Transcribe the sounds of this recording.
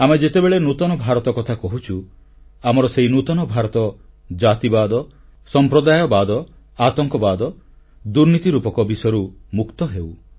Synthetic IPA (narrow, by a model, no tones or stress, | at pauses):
amed͡ʒet̪ebeɭenut̪ɔnɔbʱaɾɔt̪ɔkɔt̪ʰakɔɦut͡ʃʰu | amɔɾɔseɦinut̪ɔnɔbʱaɾɔt̪ɔ | d͡ʒat̪ibad̪ɔ | sɔmpɾɔd̪ajɔbad̪ɔ | at̪ɔŋkɔbad̪ɔ | d̪uɾnit̪iɾupɔkɔbisɔjɔɾumukt̪ɔɦew